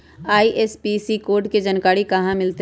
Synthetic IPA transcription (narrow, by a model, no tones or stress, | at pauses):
aːiʔeːspisikoːɾɖked͡ʒɐnkaːɽikɐɦãmɪlt̪e